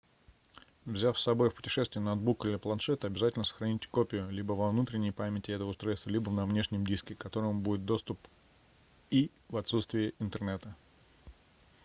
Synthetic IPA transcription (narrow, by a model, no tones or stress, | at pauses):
vzʲafsɐbo̞jfpʊ̥tʲɪ̥ʂɛst̪vʲɪjənod̪̚bukɨlʲɪplˠɐnʂɛt̪əɐbʲɪzatʲɪlʲnəsə̥xɾɐnʲitʲkopʲɪjʊlʲibəvɐvnut̪ɾʲɪnʲːɪjpamʲɪtʲɪɛt̪əvəʊst̪ɾojlst̪vəlʲibənɐvnʲeʂnʲɪəmdʲiskʲɪkɐt̪o̞ɾəmʊbudʲɪt̪̚d̪o̞st̪ʊp | i | vɐt̪sut̪st̪vʲɪjɪɪnt̪ɨrnɛt̪ə